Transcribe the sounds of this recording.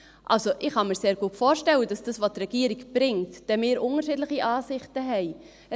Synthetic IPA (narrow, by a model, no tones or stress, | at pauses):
ʔɑ̰lsoʔɪχhɑmiːɾseːɾɡ̥uːətfoːɾʃtɛləd̥ɑsd̥ɑsvoːtrɛɡ̥iːəɾikb̥ɾɪŋtd̥ɛmɪːɾʔʊŋəʃiːdlɪχiʔɑːsɪχtəɦɛɪ